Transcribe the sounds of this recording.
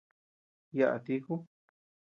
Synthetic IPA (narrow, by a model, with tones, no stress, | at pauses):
ja˧ʔa̰˨˧t̪i˧ku˦